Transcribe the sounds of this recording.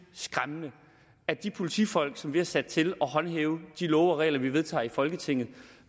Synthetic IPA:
sɡ̥ʁamənə | æɐd̥ipʰo̝lit͡sʰḭːfɒ̽l̰ɡ̥sɒ̽mʋihæsæd̥̚t͡sʰe̝lɒ̽ɦɒ̽nɦeːʊd̥ilɔːʊɐʁɛ̰ːlɐʋiʋe̝ðˠt͡sʰɑ̰̈ːifɒ̽lɡ̥ət͡sʰe̝ŋ̰ð̩ˠ

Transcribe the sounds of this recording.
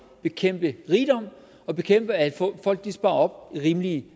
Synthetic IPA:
b̥e̝kʰem̰b̥əʁiːd̥ɒ̽m̰ | ɒ̽b̥e̝kʰem̰b̥əæfɒ̽l̰ɡ̥̚d̥isb̥ɑ̈ːɒ̽b̥ʁiːmli

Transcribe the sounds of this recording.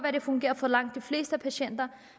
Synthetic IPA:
ʋæɾ̥e̝fɔ̽ŋɡ̥e̝̰ːɐfɒlɑ̈ŋ̰d̥ːifle̝ːsd̥əpʰæɕen̰d̥ɐ

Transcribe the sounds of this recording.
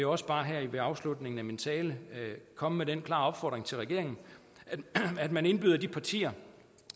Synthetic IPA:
jɒ̽səb̥ɑ̈ːɦæɐ̰iʋeɑ̈ʊslud̥ne̝ŋn̩æmint͡sʰɛːləkʰɒ̽məmeɾenkʰlɑ̰̈ːɒ̽b̥fɒ̰ːd̥ʁeŋt͡sʰe̝lʁɛɡ̥e̝ɐ̰eŋn̩ | æd̥mæne̝nb̥y̰ðˠɐd̥ipʰɑ̈t͡sʰḭːɐ

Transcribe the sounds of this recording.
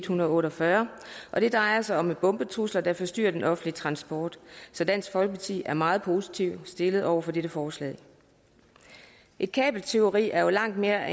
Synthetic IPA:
d̥hunɐð̩ˠɔ̽ːɾɒfɶɐʔɒ̽ɾ̥e̝d̥ʁɑ̈ɪɐsɑ̈ɪɒ̽meb̥ɔ̽mb̥ət͡sʰʁuslɐd̥æ̈fɒ̽sd̥y̰ːɐd̥enʔɒ̽fn̩dliət͡sʰʁɑ̈nsb̥ɒːd̥sɒ̽d̥æn̰sɡ̥fɒ̽l̚pʰɑ̈t͡sʰḭːæɐmɑ̈ːð̩ˠpʰo̝ːsi̥t͡sʰiʊ̰sd̥e̝ləð̞̩ˠʔɒʊɐfɒ̽d̥eɾ̥əfɒːslɛ̰ɪ | ʔe̝d̥̚kʰɛ̰ːb̥l̩t͡sʰe̝o̝ʁḭːæɐjo̝lɑ̈ŋ̰d̥̚me̝ːɐæ

